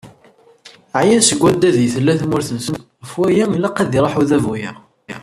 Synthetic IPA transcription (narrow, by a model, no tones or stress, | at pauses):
ʕjæsəɡʷːæd̪ːæðjθəlːæθmʊɾθənsən | fwæjæilɑqæðiɾˤɑħuðævujæ